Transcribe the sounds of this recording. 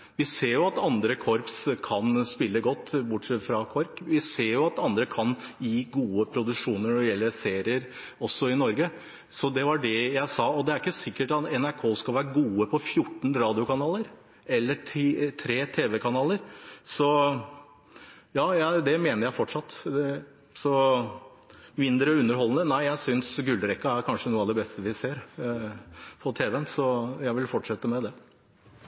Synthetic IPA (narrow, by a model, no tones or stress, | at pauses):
ʋɪseːɾjʊɑt̪ɑnd̪ɾəkʰɔɾpskʰɑnspɪlːəɡɔt̪ːbʊʈsɛt̪fɾɑkʰɔɾkʋɪseːɾjʊɑt̪ɑnd̪ɾəkʰɑnjiːɡuːəpʰɾʊd̪ʉʂuːnəɳɔɖ̪ɛjɛlːəseːɾɪəɾ | ɔsːɔɪnɔɾɡə | sɔd̪ɛʋɑɖɛjæɪsɑːɔd̪ɛæɾɪkːəsɪkːəʈɑt̪ɛnæɾkʰoːskɑlʋæːɾəɡuːəpʰɔfjʊʈːɳ̩ɾɑːd̪ɪʊkɑnɑːləɾ | ʔɛlːət̪ʰɾeːt̪ʰeːʋɛkʰɑnɑːləɾsɔ | jɑːjæd̪ɛmeːnəɾjæɪfɔʈʂɑt̪ː | sɔ | mɪnd̪ɾəʉnːəɾɦɔlːənənæɪjæɪsʏnsɡʉld̪ɾɛkːɑæɾkʰɑnʂənuːəɑd̪ɛbɛst̪əʋɪseːɾ | pʰɔt̪ʰeːʋɛənsɔjæɪʋɪlfɔʈʂɛt̪ːəmɛd̪ɛ